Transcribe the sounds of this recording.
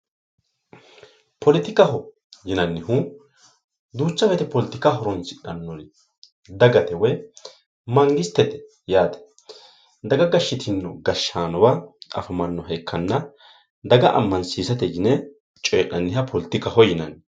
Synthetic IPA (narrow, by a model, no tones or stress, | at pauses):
pʰɔlɪt̪ɪkɐɦɔ | jɪnɐnːɪhu | d̪uːt͡ʃːɐfɛt̪ɛpɔlɪt̪ːɪkaɦɔɾɔnsɪᶑɐnːɔn | d̪ɐɡɐt̪ɛwɛ | mɐŋɡɪst̪ːɛt̪ɛ̥ | jaːt̪ɐ̥ | d̪ɐɡɐɡɐʃːɪt̪ʰɪnːɔɡɐʃːaːnɔbɐɐ̰fɐmɐnːɔɦɐjkʰːɐnːɐ | d̪ɐɡɐʔɐ̰mːɐnsiːsɐt̪ɛjɪnɛ | t͡ʃʼeːʔɐnːɪhɐpʰɔlɪt̪ɪkɐhɔjɪnɐn